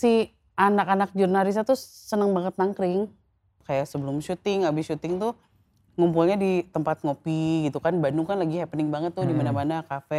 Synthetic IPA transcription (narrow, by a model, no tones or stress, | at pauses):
si | ʔanakanak̚d͡ʒurnalis̬at̪usənəŋbaŋət̪̚naŋkɾɪŋ | kajaʔsəbəlʊmʃut̪ɪŋabɪsʃut̪ɪŋt̪u | ŋumpulɲadit̪əmpat̪̚ŋopiɡit̪ukanbanuŋkanlaɡiɦɛpənɪŋbaŋət̪ːʊdimanamanakafɛ